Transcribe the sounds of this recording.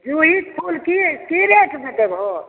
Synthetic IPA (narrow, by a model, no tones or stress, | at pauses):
d͡ʒuɦit̪kʰulkikiɾeʈʰmət̪əbɦo